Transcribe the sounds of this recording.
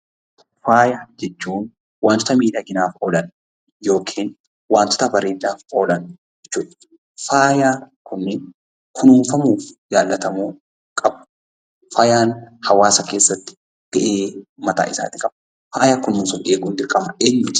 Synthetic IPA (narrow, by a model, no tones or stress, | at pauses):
faːjaːd͡ʒɛt͡ʃːuːn | waːnt̪ɔt̪ɐmiːd̪aːɡɪnaːfɔːlɐn | jo̞ːkʰiːn | waːnt̪ɔ̥t̪ɐbɐɾeːd̪ːaːfoːlɐnd͡ʒd͡ʒɛt͡ʃːuːᶑɐ̥ | faːjaː | kʰʊnːɪn | kʰʊnuːnfɐmuːfd͡ʒaːlːɐt̪ɐmuː | kʼɐb | faːjaːnhɐwaːsɐke̞ːsːɐt̪ːɪ̥ | ɡ̥ɐʔeːmɐt̪a̰ːʔɪsa̰ːt̪ɪkʼɐb̥ | faːjaːkʊnːʊːnsɔnʔeːɡuːnd̪ɪɾkʼɐmɐʔeːɲːʊ